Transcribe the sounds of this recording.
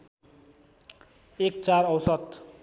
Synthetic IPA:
ek̚t͡saɾʌwsʌt̪

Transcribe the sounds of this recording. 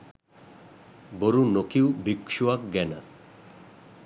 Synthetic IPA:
boɾunokiwbikʃuak̚ɡɛna

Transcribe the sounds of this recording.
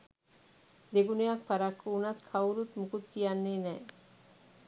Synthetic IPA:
d̪eɡunejak̚paɾakʰːuːnat̪kʰawɾut̪mukut̪kijanːeːnɛː

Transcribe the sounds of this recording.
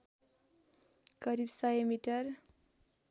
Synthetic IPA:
kʌɾibsajmiʈʌr

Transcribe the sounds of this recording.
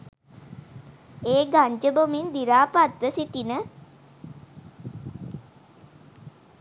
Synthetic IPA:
eːɡaɲd͡ʒəbomind̪iɾaːpat̪ʋəsit̪inə

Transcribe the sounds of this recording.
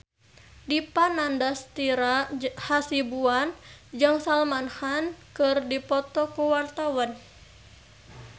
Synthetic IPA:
dipanandast̪iɾahasibuand͡ʒɨŋsalmanhankɨrdipɔt̪ɔkuwart̪awan

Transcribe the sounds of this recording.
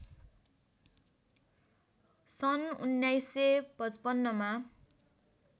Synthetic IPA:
sʌnunːajsepʌt͡spʌnːʌma

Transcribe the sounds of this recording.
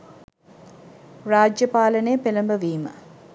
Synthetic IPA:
raːd͡ʒjəpaːlənejpeləmbəʋiːmə̰

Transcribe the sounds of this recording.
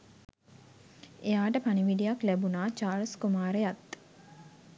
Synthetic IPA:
ejaːʈəpaniʋiɖijaklæbunaːt͡ʃaːlskumaːɾəjat̪

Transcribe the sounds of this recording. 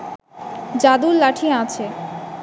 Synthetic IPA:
d͡ʑad̪ullaʈʰiat͡ɕʰe

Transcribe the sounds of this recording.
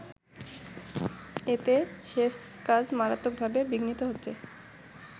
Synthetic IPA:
et̪eʃeʃkad͡ʑmaɾat̪ːok̚bʱabebiɡnit̪oɦotːɕʰe

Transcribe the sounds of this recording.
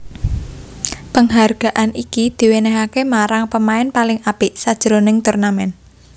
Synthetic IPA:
pəŋɦarɡ̥a̤ʔanikid̪̥i̤wenɛɦakemaɾaŋpəmaɪnpalɪŋapɪʔsad̥ʒ̥ɾonɪŋt̪urnamɛn

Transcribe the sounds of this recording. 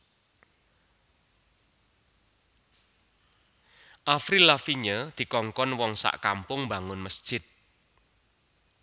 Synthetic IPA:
ʔafɾilafiɲəd̪̥i̤kɔŋkɔnwɔŋsa̰ʔka̰mpʊŋba̤ŋʊnməsd̥ʒ̥ɪt̪̚

